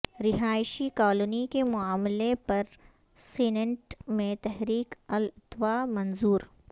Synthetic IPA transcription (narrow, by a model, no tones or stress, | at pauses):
ɾɪɦaːjʃikɔːlonikemʊaːmlepɐɾ | seːnə̃ɳʈmẽt̪ɛɦɾiːkɐlt̪ʋamɐ̃nzuːɾ